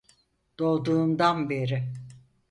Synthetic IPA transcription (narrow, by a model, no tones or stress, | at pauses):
d̪̥o̞lˠd̪uːmd̪anbe̞ɾɪ